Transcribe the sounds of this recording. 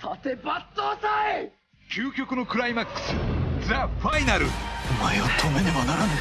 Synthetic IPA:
t̪ʰat̪ebat̪ːosai | kʲʰɨːkʲo̞kɯ̟no̞kɯ̟ɾaimakːɯ̥sɨd͡zaɸainaɾɯ̟omaeβat̪ʰomeɲimanaɾan

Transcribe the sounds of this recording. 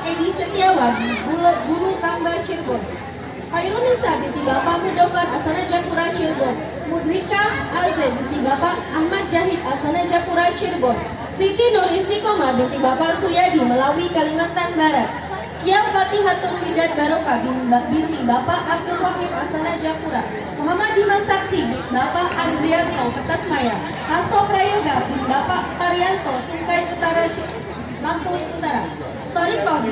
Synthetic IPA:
edisət̪iawaɡibulɔbuɾut̪ambat͡ʃirbɔn | pajɾɔnisabint̪ibapaʔmudɔfaʔasanad͡ʒakuɾat͡ʃirbɔn | mudɾikaːlzɛbint̪ibapaʔahmat̪̚d͡ʒaɦit̪asanad͡ʒakuɾat͡ʃirbɔn | sik̪inɔɾist̪ikɔmabint̪ibapaʔsujadiməlawikalimat̪anbaɾat̪̚ | kiawpat̪iɦat̪ʊŋmidanbaɾokabibint̪ibapaʔab̚dulrɔɦimast̪anahd͡ʒapuɾa | muɦamadimasak̚simit̪bapaʔandɾiartɔŋkət̪as̚maja | hasɔpɾajɔɡarbinbapaʔpaɾiansɔsuŋkajut̪aɾat͡ʃ | lampʊŋut̪aɾa | t̪ɔɾik̪ɔ

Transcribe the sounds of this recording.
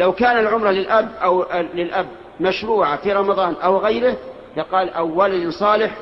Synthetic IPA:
lawkaːnalʕʊmɾˤɑlɪlʔabːʔawlɪlʔabː | maʃɾuːʕafiɾˤɑmɑðˤɑːnʔawɣajɾɪh | lɪqɑːlʔawːalad̪ɪnsˤɑːlɪħ

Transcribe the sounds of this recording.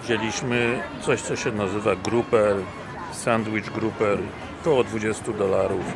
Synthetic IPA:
vd͡ʑelʲiɕmɘt̪sɔɕt̪sɔɕɛnazɘvaɡɾupɛɾ | sand̪wit͡ʂɡɾupɛɾ | t̪ɔːd̪vud͡ʑɛst̪ud̪ɔlaɾuf

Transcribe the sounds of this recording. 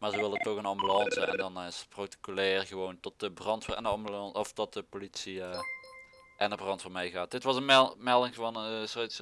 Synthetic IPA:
maːɹzəʋɪlˠəntɔɣənɑmbylɑnsəɛ̰ndɑnɪsproti̥kylɛːrɣəʋowntɔt̚dəbrɑntfɛ̰ndəɑmbylɑnɔftɔt̚dəpolitsiə | ʔɛnəbrɑntfɔmɛjɣaːt̚dɪtʋɑsənmɛlˠɪŋvɑnəsots

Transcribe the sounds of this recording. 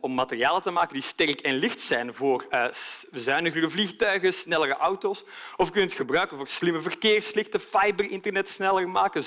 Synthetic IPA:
ɔmːaterijaːlətəmaːkəndistɛrkɛnlɪxtsɛjnvoːrəzœɥnəɣərəvlixtœɥɣəsnɛləɾəʔawtoːsɔfkɵnətxəbrœɥkənvoːrslɪməvərkɪːrslɪxtəfajbərɪntərnɛtsnɛlərmaːkə

